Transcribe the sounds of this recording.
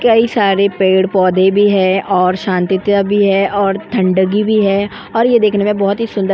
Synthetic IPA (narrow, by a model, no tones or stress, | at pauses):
kɐisaːɾepeːɽpɔːd̪ʱebʱiɦɛːʔɔːɾʃãːnt̪ɪt̪abʱiɦɛʔɔːɾt̪ʰɐ̃ɳɖəɡibʱiɦɛː | ɔːɾjed̪eːkʰnemẽbɔɦʊt̪ɦisʊ̃nd̪ə